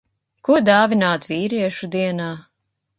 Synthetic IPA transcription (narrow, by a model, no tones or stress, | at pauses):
kuɔd̪aːvinaːt̪viːɾiɛʃud̪iɛnaː